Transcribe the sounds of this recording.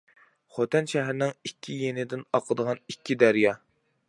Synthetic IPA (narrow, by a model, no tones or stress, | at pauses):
χot̪ʰɛnʃɛɦɾɪnɪŋikʲʰːijenɪd̪ɪnɑqʰəd̪əʁɑnikʲʰːid̪æɾjɑ